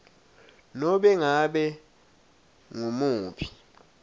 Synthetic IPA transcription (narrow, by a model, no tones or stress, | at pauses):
nɔɓɛŋaɓɛ | ŋumuːpʰi̥